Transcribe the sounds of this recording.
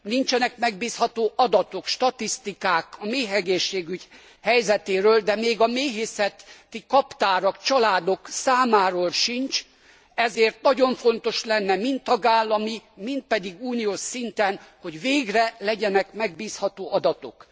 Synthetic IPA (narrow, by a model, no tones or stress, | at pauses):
nint͡ʃɛnɛkmɛɡbiːshɒt̪oːʔɒd̪ɒt̪o̞kʃt̪ɒt̪ist̪ikaːkɒmeːɦɛɡeːʃːeːɡyɟ | hɛjzɛt̪eːɾøːld̪ɛmeːɡɒmeːɦeːsɛt̪ːikɒpt̪aːɾɒkt͡ʃɒlaːd̪o̞ksaːmaːɾoːlʃint͡ʃ | ɛzeːrt̪nɒɟo̞ɱfo̞nt̪o̞ʃlɛnːɛmint̪ːɒɡaːlːɒmimint̪̚pɛd̪iɡuːnioːʃsint̪ɛnho̞ɟveːɡrɛlɛɟɛnɛkmɛɡbiːshɒt̪oːʔɒd̪ɒt̪o̞̰k